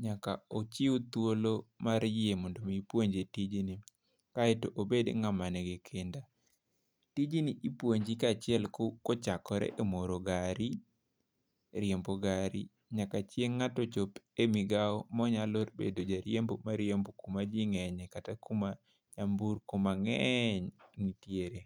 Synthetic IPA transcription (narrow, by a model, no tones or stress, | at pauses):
ɲakaot͡ʃiut̪wolomaɾjɪemondomipwoɲd͡ʒetid͡ʒini | kaɛtoʔobedŋamanɛɡekʰenda | tid͡ʒiniʔipwoɲd͡ʒikat͡ʃɪɛlkokot͡ʃakɔɾɛ̰ʔemoɾoɡaɾi | ɾjemboɡaɾḭ | ɲakat͡ʃjeŋːatɔt͡ʃopemiɡaɔmɔɲalotbḛdod͡ʒaɾjembomaɾjembokumad͡ʒiŋɛɲɛkatakuma | ɲambuɾkomaŋɛɲnitjeɾe